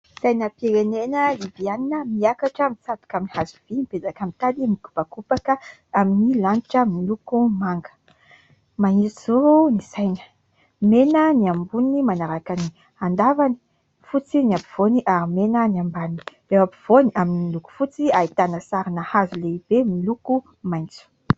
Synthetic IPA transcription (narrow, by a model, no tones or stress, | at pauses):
sajnəpeɾenenəivianinəmiakaʈ͡ʂəmit͡sat̪u̥kaminihazuv̥imipezakamit̪alimiku̥pakupakəaminilanʈ͡ʂəmilukumaŋɡə̥ | manizonisajnə̥ | menəniambuninimanaɾakani | and̪avani̥ | fut͡siniapiv̥oniʔaɾimenəniambani̥lewapiv̥oniaminimiluku̥fut͡siait̪anəsaɾinəhazuleibemiluku | majnt͡su̥